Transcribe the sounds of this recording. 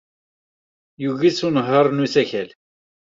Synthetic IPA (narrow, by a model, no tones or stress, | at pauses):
juʝisunɦəɾˤnusæçæl